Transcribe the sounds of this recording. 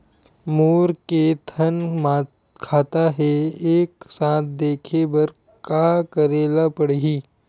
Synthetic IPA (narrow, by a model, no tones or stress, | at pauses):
moːɾket̪ʰənma | kʰaːt̪aɦɛeːksãːt̪ʰd̪eːkʰebɐɾ | kakəɾeːlapəɽɦiː